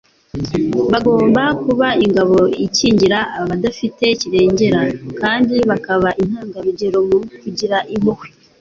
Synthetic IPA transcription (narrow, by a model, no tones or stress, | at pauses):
βaɡo̞ːmbakuβaiŋɡaβo̞iciːɲɟiɾaːaβadafite̞ciɾe̞ːɲɟe̞ɾakaːndiβakaβaʔin̥haːŋɡaɾuɟe̞ɾo̞mukuɟiɾaʔiβohi̥